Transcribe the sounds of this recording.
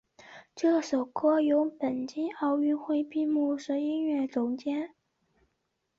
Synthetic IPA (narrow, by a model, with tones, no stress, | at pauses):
ʈ͡ʂɤ˥˩ʂo˨˩ʊkʰɤ˥jo˧˥ʊpə˨˩nt͡ɕi˥nɑ˥˧ʊy˥˧nxwe˥˧ɪpi˥˧mu˥˩ʂ̩˧˥i˥nɥɛ˥˩ʈ͡ʂʊ˧˥˩ŋt͡ɕjɛ˥n